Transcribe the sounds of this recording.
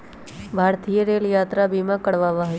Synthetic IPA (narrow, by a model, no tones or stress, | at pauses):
bʱaːɾt̪ijəɾeːljaːt̪ɾabʱimãkəɽʋaʋaɦe